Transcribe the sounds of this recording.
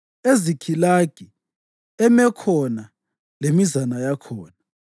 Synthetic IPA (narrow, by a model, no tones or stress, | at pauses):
ezikʰilaɡ̥ʱi | ɛmɛkʰɔna | lemizanajakʰɔːna